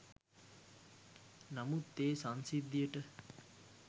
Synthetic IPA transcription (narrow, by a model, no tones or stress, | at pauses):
nɐmut̪ːeːsansid̪iəʈə